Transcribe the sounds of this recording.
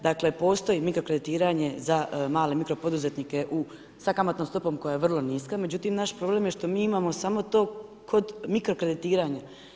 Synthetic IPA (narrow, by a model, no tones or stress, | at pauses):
d̪akle̞po̞ːst̪o̞jimikɾo̞kɾe̞d̪it̪iːɾaɲe̞zamaːlemikɾo̞po̞d̪uze̞t̪nike̞ʔu | sakamat̪nomst̪o̞po̞mko̞jaje̞ʋr̩lˠo̞niskame̞d͡ʑut̪imnaʃpɾo̞ble̞ːmjeʃt̪o̞miːimaːmo̞samo̞t̪o̞ːkʰo̞d̪mikɾokɾe̞d̪it̪iːɾaɲa